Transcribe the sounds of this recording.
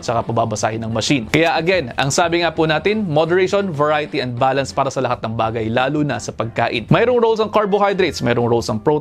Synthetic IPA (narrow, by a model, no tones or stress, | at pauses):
t̪t͡ʃɐkapɐbabɐsa̰ːhɪnɐŋmɐʃinkɐjaʔɐɡɛnɐ̰ŋsaːbɪŋapunaːt̪ɪnmod̪ɛɾeʃonvɐɹajɪt̪iʔɛnd̪̚baːlɐnspaːɾɐsɐlɐhat̪nɐŋbaːɡɐjlaːlunɐsɐpɐɡ̚ka̰ːʔɪ̰nmɛjɾoŋɾowlsɐŋkaɹboɦajd̪ɾet̪smɛːɾoŋɾolsɐŋpɹo